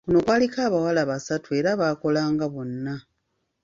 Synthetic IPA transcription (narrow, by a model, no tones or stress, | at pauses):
kuno̞kwaːlikaːβawalaβasatue̞ɾaβaːko̞laːŋɡaβo̞nːa